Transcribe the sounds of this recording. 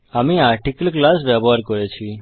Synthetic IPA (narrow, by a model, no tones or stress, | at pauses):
amĩaɾʈikəlklasʋɛbɦaɾkɔɾet͡ʃʰi